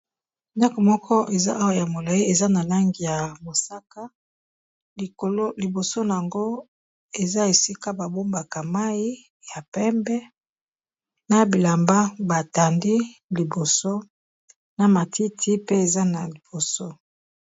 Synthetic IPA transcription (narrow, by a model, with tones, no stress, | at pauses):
nda˦ko˨mɔ˦kʰɔ˦ʔe˨za̰˦ʔa˦wa˦˨ja˨mo˨la˨i˦e˨za˦na˨la˦ŋɡi˨ja˨mo˨sa˦ka˦˨ | o˨lo˦li˨bo˨so˦na˨a˨ŋɡo˦ | e˨za˦e˨si˦ka˦ba˨bo˦mba˨ka˨ma˦i˦ | ja˨pɛ˦mbɛ˦ | na˨bi˨la˨mba˦ba˨ta˨ndi˦li˨bo˨so˦ | na˨ma˨ti˦tʰi˦pe˦e˨za˦na˨li˨b̥o˨so˦